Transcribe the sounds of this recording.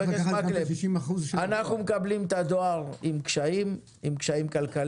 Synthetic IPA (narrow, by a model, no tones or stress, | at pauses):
eesmaleʃimaχuzʃanaχnumekablimt̪ad̪oaʁimkʃaim | imkʃaimkalkal